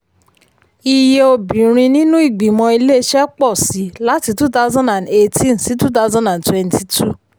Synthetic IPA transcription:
i˧je˧o˧bĩ˨ɾ̃ĩ˧nĩ˦nũ˦i˦˨ɡ͡bĩ˨mɔ̃˧i˧le˦ʃɛ˦k͡pɔ˦˨si˨˦la˦ti˧tu˦ta˦zã˦ndã˨nde˦tĩ˦nsi˦tu˦t̬a˦zã˦ndã˨ntwɛ̃˦nti˧tʰu˦˨

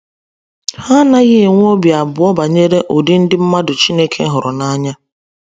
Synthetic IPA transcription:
ha˦na˦ɣɪ˦˨ŋʷ˦o˦bja˨bʊ˨ɔ˦ba˨ɲe˦ɾe˦ʔo˨di˦n̩˦dɪ˦m̩˦ma˦dʊ˨t͡ʃi˦ne˦kʰe˦ɦʊ˨ɾʊ˨na˦ɲa˦

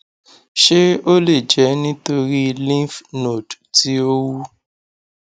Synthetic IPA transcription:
ʃe˦o˦le˦˨d͡ʒɛ˨˦nĩ˦to˧ɾi˦˧lĩ˦fno˨dti˨˦o˦wu˦

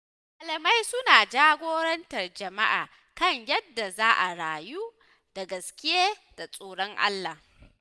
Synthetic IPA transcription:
ʔa˨lɐ˨ma˦jsʊ˦naː˨d͡ʒaː˦ɡʷoː˦ɾɐ˦ntɐ˨rd͡ʒɐ˨ma˦ʔaː˨ | kɐ˦˨ɲjɐ˦dːa˨zaː˦ʔa˨ɽaː˨juː˦ | d̥a˨ɡɐ˨skʲɪ˦jeː˦d̥a˨sʼoː˨ɽɔ˦ŋʔa̰˦lːa˨h

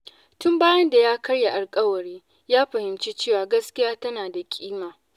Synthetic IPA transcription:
tʊ˦mbaː˦jɐ˦nda˨jaː˦kɐ˦ɽja˨ʔa˨lkʼɐ˦wɐ˨ɽiː˦ | jaː˦ɸɐ˨hɪ˨mt͡ʃi˦t͡ʃeː˦˨waː˨ɡɐ˦skʲɪ˦jaː˦tɐ˦naː˨da˨kʲʼiː˦maː˨

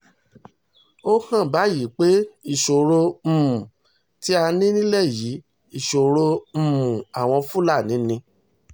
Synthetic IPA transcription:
o˦kã˦˨ba˨˦ji˨˦k͡pe˦i˦˨ʃo˨ɾo˧m̩˨mũ˨ | ti˦a˧nĩ˦nĩ˦lɛ˦˨ji˨˦ | i˦˨ʃo˨ɾo˧m̩˧˨mũ˨a˨w̃ɔ̃˧fũ˦la˦˨nĩ˨˦nĩ˧

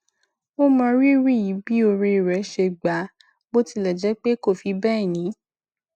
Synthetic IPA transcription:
o˦mã˧ɾi˦ɾi˦˨ji˨˦bi˦o˧ɾe˧i˨ɾɛ˨˦ʃe˧ɡ͡ba˨˦ | bo˦ti˧lɛ˨d͡ʒɛ˨˦k͡pe˦ko˦˨fi˧bɛ˦ɛ˦˨nĩ˨˦

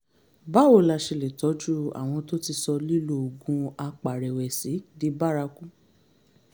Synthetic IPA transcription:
ba˨˦wo˨la˧˨ʃe˧le˨tɔ˨˦d͡ʒu˦a̰˨w̃ɔ̃˧to˦ti˧sɔ˧li˦lo˨o˨ɡũ˧˦a˧k͡pa˨ɾɛ˨wɛ˨si˨˦di˧˦ba˦ɾa˧ku˦

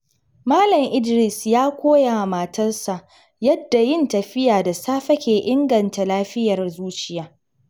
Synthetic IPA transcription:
maː˦lɐ˨mʔɪ˦dɾɪ˨sjaː˦kʷoː˦ja˨maː˨tʰɐ˦rsa˨ʔ | jɐ˦dːa˨jɪ˦ntɐ˨ɸɪ˦jaː˨da˨saː˦ɸɐ˦kʲeː˨ʔɪ˦ŋɡɐ˨nta˨laː˦ɸɪ˦jɐ˨rzuː˦t͡ʃɪ˨jaː˦

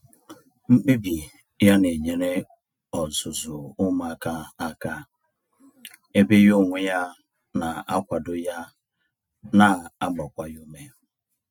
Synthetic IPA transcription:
ŋ͡m̩˦k͡pi˦bi˨ | ja˦ne˨ɲe˨ɾe˦ | ɔ˨zʊ˨zʊ˨ʊ˦ma˨ka˦a˦ka˦ | e˦be˦jʊ˦ŋʷʊ˦ja˦ | na˨a˦kʷa˨dʊ˦ja˦ | na˨a˦ɡ͡bɔ˨kʷa˦ju˦me˦

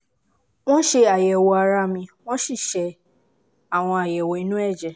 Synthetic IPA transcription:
w̃ɔ̃˦ʃe˧a˨jɛ˨wo˧a˧˨ɾa˦mĩ˧w̃ɔ̃˦ʃi˦˨ʃɛ˧ | a˨w̃ɔ̃˧a˨jɛ˨wɔ˨i˨˦nũ˦ɛ˦˨d͡ʒɛ˨

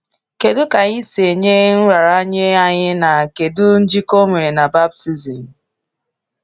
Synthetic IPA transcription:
ke˨dʊ˦ka˨ɲi˦se˨ɲe˦n̩˦ɾa˨ɾa˦ɲe˦a˨ɲɪ˦na˨ke˨dʊ˦n̩˦d͡ʒi˦ko˦me˨ɾe˨na˨ba˦b̚ti˦zi˨m̩˨

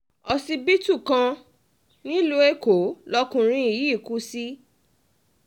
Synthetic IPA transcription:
ɔ˧si˧bi˦tu˦˨kã˧ | nĩ˦lo˦e˦ko˨˦lɔ˧kũ˧ɾ̃ĩ˧i˨ji˨˦˨ku˦si˦

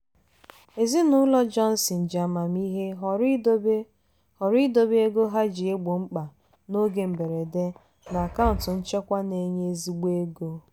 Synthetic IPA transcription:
e˨zi˦nʊ˦lɔ˦d͡ʒɔ˦n̩˦si˨n̩˨d͡ʒa˨ma˨mi˦ɦe˦ɦɾ | hɔ˨ɾi˦do˦be˦ɡo˦ɦa˦d͡ʒi˨e˦ɡ͡bo˨ŋ͡m̩˦k͡pa˨ | no˦ɡe˨m̩˨be˨ɾe˨de˦ | na˨a˨ka˦ʊ˨n˨tʊ˨n̩˦t͡ʃe˦kʷa˦ne˨ɲe˦zi˦ɡ͡be˦ɡo˦

